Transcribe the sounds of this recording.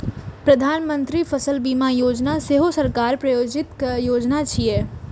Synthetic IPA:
pɾɐd̪ʱaːnmə̃nt̪ɾifʰəsəlbiːmajoːd͡ʒnaseɦosəɾkaːɾpɾɐjoːd͡ʒɪt̪kjoːd͡ʒnat͡ʃʰieː

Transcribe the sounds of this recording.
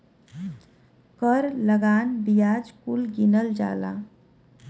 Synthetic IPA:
kəɾləɡaːnbijaːd͡ʒkulɡinəld͡ʒa̰ːla̰ː

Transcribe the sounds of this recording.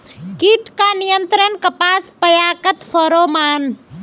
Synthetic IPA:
kiʈkanijənt̪ɾənkəpaːspəjaːkət̪fʰəɾoːmaːn

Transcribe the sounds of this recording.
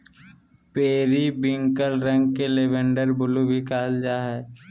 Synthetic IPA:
peːɾibɪ̃ŋkəlɾə̃ŋɡkelebə̃ɳɖəɾbʊlubʱikaːld͡ʒaːɦɛː

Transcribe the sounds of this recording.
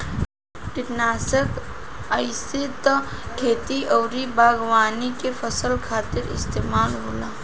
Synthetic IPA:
ʈɪnaːsək | aɪsɪt̪kʰeːt̪iʔɐːɾibʱaːɡʋaːnikefəsəlkʰaːt̪ɪɾɪ̰st̪eːmaːlɦoːlaː

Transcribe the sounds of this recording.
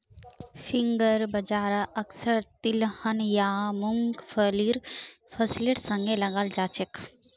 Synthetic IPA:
fʰiŋɡəɾbɐd͡ʒaːɾaʔɐksəɾt̪ilhənjaːmuŋɡfʰəliɾfʰəsiliʈsəŋɡelɐɡald͡ʒaːt͡ʃek

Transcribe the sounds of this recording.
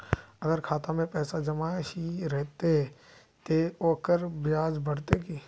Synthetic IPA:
ɐɡəɾkʰaːt̪ãmẽpɛːsad͡ʒɐmaiɾɛɦt̪eɦɛ | t̪eoːkəɾbjaːd͡ʒbɐɽt̪ekiː

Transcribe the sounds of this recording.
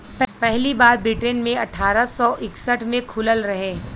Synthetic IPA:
ppɛɦlibaːɾbɪʈenmẽɐʈʰːaːɾasɔʔɪksəʈʰmẽkʰʊləlɾɐɦẽː

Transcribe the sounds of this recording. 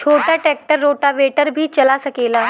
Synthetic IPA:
t͡ʃʰoːʈaʈɛk̚ʈəɾːoʈaʋeʈəɾbʱiːt͡ʃɐlasəkela

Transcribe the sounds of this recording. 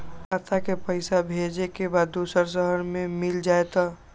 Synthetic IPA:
kat̪ʰakepəɪsabʱed͡ʒekebaːd̪ːusəɾs̬əɦəɾmẽmild͡ʒaːet̪ɔ

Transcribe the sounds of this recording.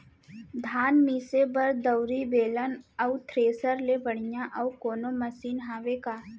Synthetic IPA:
d̪ʱaːnmiːsebɐɾd̪əʊɾibeːlənəʊt̪ʰɾeːsəɾlebəɽ̤ijãʔɐukoːnomɐsiːnɦaːʋekaː

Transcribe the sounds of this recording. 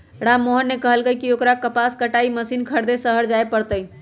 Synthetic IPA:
ɽamːoɦənːekəɦəlɡəjkiokɾakəpaskəʈaiməsinkʰəɾd̪esəɦəɾd͡ʒaepəɾt̪əj

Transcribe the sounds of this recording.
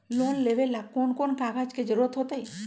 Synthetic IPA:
lonlebelːakonkonkaɡʱad͡ʒked͡ʒɾot̪ɦot̪ej

